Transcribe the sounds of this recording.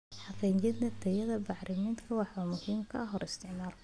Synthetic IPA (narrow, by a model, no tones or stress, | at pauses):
ħɑfɛnt͡ʃɪd̪nɐt̪ʰɐjɐðɐbɑħɾʔɪmɪnt̪kʰɐwɑħɐmʊhiːmkʰɐ̰ʔɐɦɔɾɪst̪ʰɪʕmaːl